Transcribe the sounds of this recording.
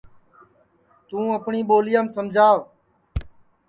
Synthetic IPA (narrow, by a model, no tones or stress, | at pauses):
t̪ũːəpɳiːɓoːlɪjaːmsəmd͡ʒʱaːʋ